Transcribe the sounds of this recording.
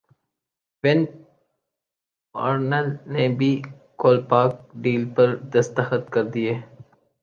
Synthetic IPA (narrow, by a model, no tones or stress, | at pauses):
ʋɪn | a̰ːɾnəlnebʱi | koːlpaːk̚ɖiːlpɐɾd̪ɐst̪əxət̪kɐɾd̪ieː